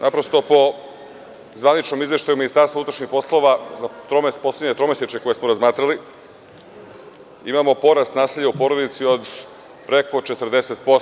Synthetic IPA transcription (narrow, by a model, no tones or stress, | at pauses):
napɾo̞st̪o̞po̞ | zʋanit͡ʃno̞mizʋe̞ʃt̪ajuminist̪aɾst̪vaut̪ɾaʃɲixpo̞slˠo̞ʋazat̪ɾomespo̞sledɲet̪ɾo̞meset͡ʃeko̞jesmoɾazmaːt̪ɾali | imamo̞po̞ɾast̪naːseʎːaupo̞ɾo̞d̪it̪sio̞d̪ | pɾeko̞t͡ʃe̞t̪rd̪eset̪̚pos